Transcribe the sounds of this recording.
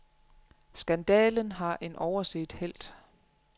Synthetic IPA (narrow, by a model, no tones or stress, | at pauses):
sɡ̥ænd̥ɛːlənɦɑ̈ʔe̝nʔɒʊɐsḛːd̥hel̰d̥